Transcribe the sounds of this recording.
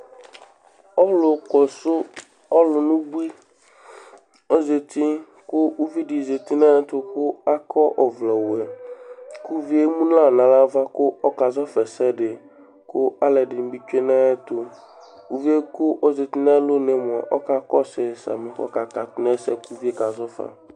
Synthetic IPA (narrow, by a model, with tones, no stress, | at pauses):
ɔ˦lʊ˨kɔ˨sʊ˦ | ɔ˦lʊ˨nũ˦bu˦i˦ | o˦ze˨t̪i˦ | kʊ˦u˦vi˦ɖi˨ze˨t̪i˦nã˦t̪ʊ˦kʊ˦a˦kʰɔ˦ʔɔ˨vlɛ˨wɛ˨ | ku˦vi˦e˦mũ˦n˦la˦˨nã˨la˦va˦kʊ˦ɔ˦ka˨zɔ˦fɛ˨sɛ˦ɖɪ˨ | kʊ˦a˦lɛ˨dɪ˨n˨˦bi˦t͡ʃe˦na˦t̪ʊ˦ | u˦vi˦e˦kʊ˦ʔɔ˦ze˨t̪i˦na˦lo˦ne˨m˨ɔ˨ʔɔ˦ka˦kɔ˦sɛ˨sa̰˨mɪ̃˨kɔ̰˦ka˨ta˨t̪ʊ˦nɛ˦sɛ˦ku˦vi˦e˦ka˨zɔ˦fa̰˨